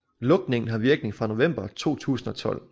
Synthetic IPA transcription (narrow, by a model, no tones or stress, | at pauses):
lɔ̽ɡ̥̚ne̝ŋn̩ɦɑ̈ʋiɐɡ̥ne̝ŋfʁɑ̈no̝ʋem̰b̥ɐt͡sʰo̝̰ːt͡sʰṵːsn̩ɒ̽t͡sʰɒ̽l̰